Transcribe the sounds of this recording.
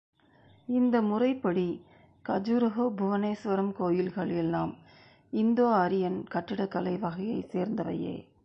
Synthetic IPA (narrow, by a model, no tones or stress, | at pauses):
ɪnd̪ɐmʊrɐɪpːɐɽi | kɐd͡ʒuɾɐɦoːbʱʊʋɐneːsʋɐɾɐmkoːjɪlɣɐɭɛlnaːm | ɪnd̪oːɐɾɪjɐnkɐʈːɪɽɐkːɐlɐɪʋɐɣɐjɐɪseːɾnd̪ɐʋɐ̰jḛː